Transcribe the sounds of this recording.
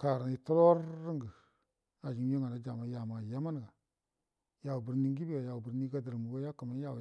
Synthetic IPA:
ka˨ɾa˨i˨to˦lo˦ɾːi˦ŋɡə˨ | a˨d͡ʒi˨m˦jo˦ŋa˨na˨˦d͡ʒa˨ma˨˦ja˨ma˨ja˦ma˦n˨ɡa˨ | ja˨wu˨bi˨ɾni˦ŋ˦ɡi˦bi˦ɡa˨ja˨wu˨bi˨ɾni˦ɡa˦də˨ɾmu˨ɡo˦ja˦ka˨ma˦ja˦˨w

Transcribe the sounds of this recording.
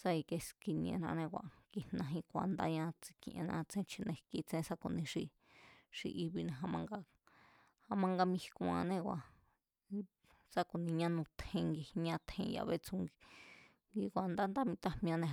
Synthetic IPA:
sa˧i˧ke˧ski˧nĩ˧ḛ̃˧nã˧nẽ˧kʷa̰˨ki˧hnã˧ɦĩ˧kʷa˨nd̪a̰˦ɲã˧t͡si̥˧kĩ˧˨ʔḛ̃˧nã̰˧t͡sẽ˦t͡ʃʰi˧nẽ˧ki˧t͡sẽ˦sa˧ko˧˨nĩ˧ʂi˧ | ʂḭ˧ʔi˧βi˧nẽ˧ɦa˧mã˧ŋɡa˧ | ha˧mã˧ŋɡa˧mĩ˧hi˧kũ˧ã̰˧nẽ˦kʷwʷa˨ | sa˦ku˨nĩ˧ɲã˦nũ˧t̪ʰẽ˧ŋɡi˧ɲã˧t̪ʰẽ˧ja̰˧βe˦t͡sũ˧ŋɡi˧ | ŋɡi˧kʷa˨nd̪a˦nd̪a˦mĩ˧t̪a˦˧mĩ˧ã˧nẽ˧

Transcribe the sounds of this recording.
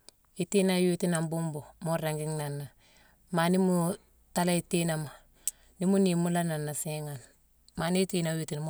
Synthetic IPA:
i˨ti˦na˦ju˦ti˦na˨mbu˦mbo˨mo˦ɾa˨ŋɡi˦ŋna˨nːa˨ | ma˨ni˦mu˨ | ta˦la˦i˨ti˦na˨ma˨ | ni˦mu˦ni˨mu˦la˦na˨nːa˨si˦ŋa˨n | ma˨ni˦ti˦na˨ju˦ti˨nm

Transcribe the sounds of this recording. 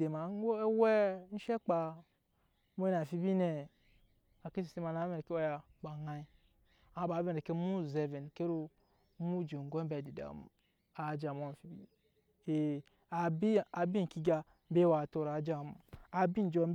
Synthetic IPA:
de˨ma˨˦wɛ˦n̩˦ʃe˦k͡pa˨ | mo˦n˨a˨fi˦bi˦ne˨ | a˨ke˦si˨si˦ma˨na˨˦me˦˨e˨ke˦o˦ja˨ba˨ŋa˦i˦ | a˨˦ba˨˦ve˦n˨e˨ke˦mu˦˨ze˨ve˨n˨ke˦ɾu˦ | mu˦d͡ʒo˨ŋ˨ɡo˦bɛ˨di˨da̰˨ | a˨d͡ʒa˨mo˦˨fi˨bḭ˦ | e˨ | a˨bi˦a˨bi˦˨ki˦ɡa˦ | m̩˦be˦wa˨to˦ɾa˨˦d͡ʒa˦˨m˨a˨bi˦n˨d͡ʒo˦m˦

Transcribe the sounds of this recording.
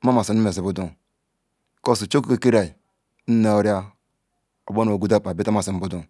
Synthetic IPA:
ma˦ma˨si˨n˦me˨si˨bu˦du˦ŋ | ko˦˨si˨t͡ʃo˦ku˦ke˨ki˦ɾa˨i˨ | n̩˦ne˨o˦ɾja˦ | o˨bo˦no˨ɡu˦da˦˨pa˨bi˦ta˦ma˨si˨m̩˦bu˦du˦˨ŋ

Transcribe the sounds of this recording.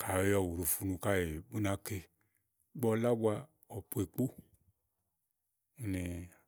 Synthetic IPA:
ka˨jɔ˨wu˨ɾu˨fu˧nũ˧ka˦je˨bu˦nã˨˦ke˧ | ɡ͡bɔ˦la˦bu˦a˧ | ɔ˨pu˦e˨k͡po˦ | u˦ne˨

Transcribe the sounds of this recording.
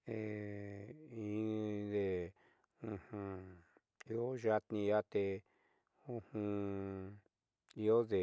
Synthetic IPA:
e˧ | ĩ˧˦ðe˧ | ũ˧hũ˧ | i˧o˦ʒa˧t̪nĩ˧ja˦t̪e˧ | ũ˦hũ˧ | i˧o˦ðe˨

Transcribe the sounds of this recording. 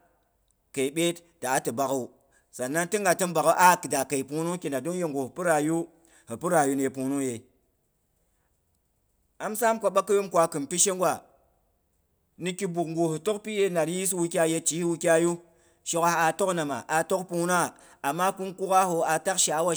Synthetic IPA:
ke˨i˨ɓe˦t | d̥a˨˦tɨ˨ba˨ku˨ | sa˨nːa˦nti˦ŋɡa˨tɨ˦nba˨ku˦ʔa˦˨kɨ˨da˨ka˨i˨pu˦nu˦ki˨nda˨du˦ŋje˦ŋɡo˨hpu˦ɾa˨ju˦ | hi˨pɨ˦ɾa˨ju˦n˦je˨pu˨nu˦je˨ | a˦msa˦mkʷa˦ɓa˦kːɨ˦ju˦mkʷa˨kɨ˨npi˦ʃe˦ŋɡʷwa˨ | ni˦˧ki˦bu˨kŋɡo˨hu˨to˦kpi˦je˦na˨ɾi˦i˦s̬wu˧kʲa˦je˦˧t͡ʃi˨˦hwu˦˧kʲa˦ju˦ | ʃo˦ka˦a˨to˦kna˨ma̰˨ʔa˨to˦kpu˦n˦a˦ | a˨mːa˦ku˦nku˦ka˦ho˨a˨ta˦kʃa˨˦wa˦

